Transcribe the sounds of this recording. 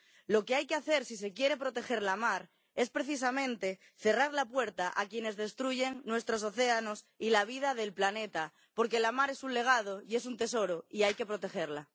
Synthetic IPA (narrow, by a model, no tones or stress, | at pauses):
lo̞keajkeaθe̞ɾsise̞kje̞ɾe̞pɾo̞t̪e̞xe̞ɾlamaɾ | e̞spɾe̞θis̬amẽ̞nt̪e̞ | θe̞raɾlapwe̞ɾt̪aʔakjene̞zðe̞st̪ɾuʝe̞ŋnwe̞st̪ɾo̞s̬o̞θe̞ano̞s | ilaβ̞ið̞aðe̞lplane̞t̪a | po̞ɾke̞lamaɾe̞sunle̞ɣ̞að̞oie̞s̬unt̪e̞so̞ɾoiajke̞pɾo̞t̪e̞xe̞ɾla